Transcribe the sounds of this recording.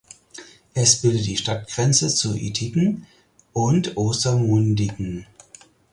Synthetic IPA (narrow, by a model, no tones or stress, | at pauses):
ʔɛsb̥ɪldət̚d̥iːʃtat̚ɡ̥ʁɛnt͡sət͡suʔḭːtʰikŋ̩ | ʔʊntʔoːstɐmʊndɪkŋ̩